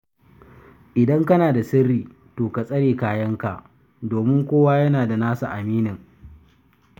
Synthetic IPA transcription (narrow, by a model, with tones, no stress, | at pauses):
ʔɪ˨dɐ˦ŋkɐ˦naː˨da˨sɪ˦rːiː˨ | toː˨ka˨sʼɐ˦ɽeː˨kaː˦˨jɐ˦ŋka˨ʔ | doː˨mɪ˦ŋkʷoː˦waː˦jɐ˦naː˨da˨naː˦sa˨ʔa˨miː˦nɪ˨ŋ